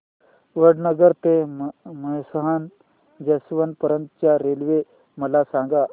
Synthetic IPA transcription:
ʋəɽnəɡəɾt̪eməjsəɦan | d͡ʑəsʋənpəɾənt̪t͡ɕjaɾelʋe | məlasãŋɡa

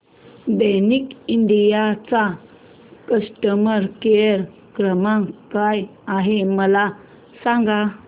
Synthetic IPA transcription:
d̪əjnikiɳɖijat͡sa | kəsʈəməɾkeəɾ | kɾəmãŋkajaɦeməla | sãŋɡa

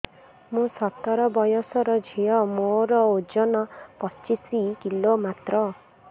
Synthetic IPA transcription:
mũsɔt̪ɔɾɔbɔjosɔɾɔd͡ʒʱiɔmoɾɔud͡ʒɔnɔpɔt͡ʃisikilomat̪ɾɔ

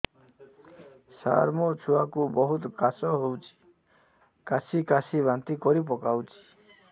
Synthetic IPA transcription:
sa̰ɾmɔt͡ʃʰuwakubɔɦut̪kasɔɦowt͡ʃʰi̥ | kasʰikasʰibant̪ikɔɾip̬ɔkawt͡ʃʰi̥

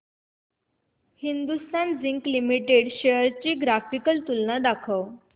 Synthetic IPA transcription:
hind̪ust̪and͡ziŋklimiʈeɽɕəjəɾt͡ɕiːɡɾafikəlt̪ulːad̪akʰəw

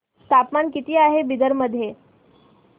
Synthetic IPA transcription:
st̪ʰapmankit̪iːaɦebid̪əɾməd̪ʱːje

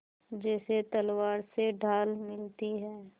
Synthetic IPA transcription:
d͡ʒɛːset̪ɐlwaːɾseɖʱaːlmɪlt̪iɦɛː

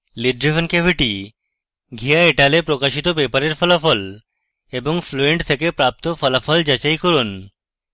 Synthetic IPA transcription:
liɖɾifənkebʱiʈi | ɡʱijaeʈalepɾokaʃit̪obepaɾeɾfɔlafɔl | eboŋfloeɳʈt̪ʰekepɾap̚t̪ofɔlafɔld͡ʑat͡ɕajkɔɾun

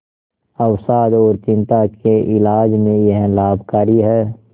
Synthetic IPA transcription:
ɐwsaːd̪ɔːɾt͡ʃɪ̃nt̪akeʔɪlaːd͡ʒmẽjəɦlaːbʱkaːɾiɦɛː

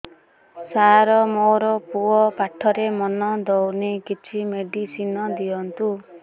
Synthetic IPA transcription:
saɾɔmoɾɔpuɔpaʈʰɔɾemɔnɔd̪ɔwnekit͡ʃʰimeɖisinɔd̪iɔnt̪u

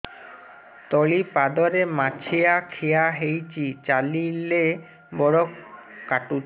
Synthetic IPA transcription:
t̪ɔɭipad̪ɔɾemat͡ɕʰeakʰejaɦejt͡ɕit͡ɕalile | bɔɽokkaʈu

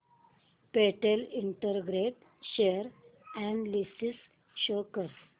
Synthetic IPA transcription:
peʈeliɳʈəɾɡɾeʈ | ɕeɾɛ̃ɳɖlisis | ɕokəɾ

